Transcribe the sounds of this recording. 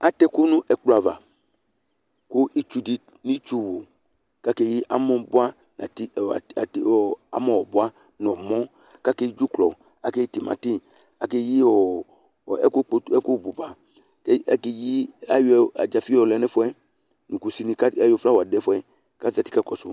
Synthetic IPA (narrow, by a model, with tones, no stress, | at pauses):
a˨tɛ˦kʊ˦nʊ̃˦ʔɛ˨k͡plo˨a˨va̰˨ | kʊ˦ʔi˦t͡ʃu˦di˨ | nĩ˦t͡ʃu˦wo˨ | ka˦ke˨ji˦ʔa˦mɔ̃˦bʊ˦a˦ | na̰˨ti˦˨a̰˨tɔ˨a̰˨mɔ̃˦˨wɔ˨bʊ˦a˦ | n˨ɔ˨mɔ̃˦ | ka˦ke˦i˦d͡ʒu˦klɔ˨ | a˨ke˦ji˦ti˨ma̰˨ti˦ | a˨ke˦ji˦ɔ˨ | ɛ˦kɛ˦ku˦˨bu˨ba˨ | kɛ˦ɛ˦ke˨ji˦a˦ja̰˨d͡ʒa˨fi˦ɔ˨lɛ˨˦nɛ˦fɔ˦ɛ˦ | nũ˨ku˨si˦ni˦ka˦a˨jɔ˦˨fla˦wɔ˨a˨dɛ˦fɔ˦ɛ˦ | ka˦za˨ti̥˦ka˦kɔ˨su˨